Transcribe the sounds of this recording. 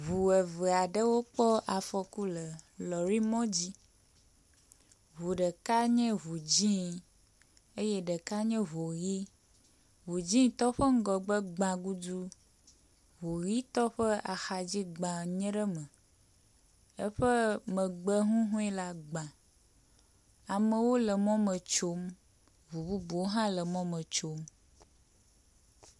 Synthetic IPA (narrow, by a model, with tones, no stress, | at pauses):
βu˨ɛ˨və˨a˨ɖə˦wo˦k͡pɔ˦ʔa˨fɔ˨ku˦lə˨lɔ˨ɾi˦mɔ̃˦d͡ʑi˦ | βu˨ɖə˨ka˦ɲɛ̃˦βu˨d͡ʑĩ˦ | e˦jɛ˦ɖə˨ka˦ɲɛ̃˦βo˨ɣi˦ | vu˨d͡ʑĩ˦t̪ɔ˦ɸə˦ŋ̩˦ɡɔ˨ɡ͡bə˦ɡ͡bã˨ɡu˦du˦ | vo˨ɣi˦t̪ɔ˦ɸə˦a˨xa˨d͡ʑi˦ɡ͡bã˨ɲɛ̃˦ɖə˦mə̃˨ | ə˦ɸə˦mə̃˨ɡ͡bɛ˦ɦũ˦ɦũ˦ɛ˦la˦ɡ͡bã˨ | a˨mə̃˨wo˦lə˨mɔ̃˦mə̃˨t͡ʃo˦m | vu˨bu˦bu˨wo˦ɦã˦lə˨mɔ̃˦mə̃˨t͡ʃo˦m